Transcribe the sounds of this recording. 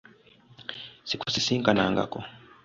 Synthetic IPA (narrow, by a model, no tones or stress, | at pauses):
sikusisiːŋkana̰ːŋɡa̰ko